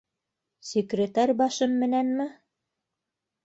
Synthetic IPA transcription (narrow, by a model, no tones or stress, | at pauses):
sʲekrʲet̪ɑɾʲbɑʃɤmːɘ̆nænmɘ